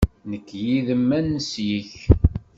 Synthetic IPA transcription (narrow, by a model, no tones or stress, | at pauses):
nəkːjiðəmːænːəsjiç